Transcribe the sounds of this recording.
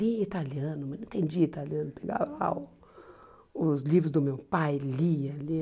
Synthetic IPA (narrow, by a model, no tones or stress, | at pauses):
liet̪alẽnd̪ʊmɐnɐ̃t̪ẽj̃d͡ʒiɐt̪alẽnd̪ʊpeɡa̰ɾla̰ʊ | ʊzlivɾʊzd̪ʊmewpajliɐle